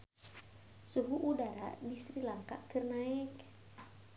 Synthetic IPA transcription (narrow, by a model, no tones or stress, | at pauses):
suɦuʔudaɾa̰dist̪ɾilaŋka̰kərnaɪk